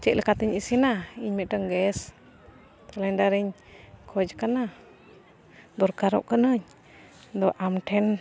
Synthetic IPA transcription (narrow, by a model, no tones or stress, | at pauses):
t͡ʃɛʔləkat̪iɲisinaiɲmɛʈəŋɡɛs | t̪alaɲdaɾiɲ | kʰɔd͡ʒkana | d̪ɔɾkaɾɔ̰ʔkənəɲ | d̪ɔʔamʈʰɛn